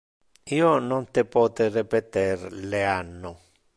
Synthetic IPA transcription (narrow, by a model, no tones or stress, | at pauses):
ionõnt̪epot̪erepet̪eɾleano